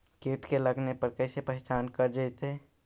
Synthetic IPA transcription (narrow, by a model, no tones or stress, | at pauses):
keːʈkeləɡnepəɾkəɪsepəɦɪt͡ʃaːnkəɾd͡ʒəɪt̪ɦe